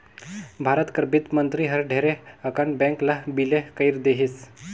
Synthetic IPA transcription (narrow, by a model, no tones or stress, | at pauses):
bʱaɾət̪kəɾbit̪mənt̪ɾiɦəɾɖʱeɾeəkaɳbɛ̃ŋklabilekəiɾd̪eɦiːs